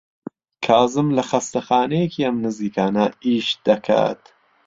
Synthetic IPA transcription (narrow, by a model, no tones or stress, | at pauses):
kʰɑːzɨmlɐxɐst̪ɐxaːnɛjekʰiːɐmnɨziːkʰaːnɐiːʃd̪ɐkʰa̰ːt̪